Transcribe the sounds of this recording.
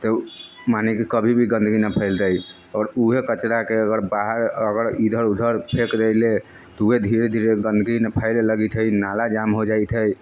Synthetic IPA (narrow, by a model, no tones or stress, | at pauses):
t̪ɔ | manekekəbʱibʱiɡə̃nd̪ʱɡinapʰəɪlt̪əj | ɔɾuɦekət͡ʃɾakeəɡəɾbaɦəɾəɡəɾid̪ʱəɾud̪ʱəɾpʰekɾəɪle | t̪ɔuɦed̪ʱiɾed̪ʱiɾeɡənd̪ʱɡinapʰəɪlləɡit̪ʰɦəjnalad͡ʒamɦod͡ʒajt̪ʰɦəj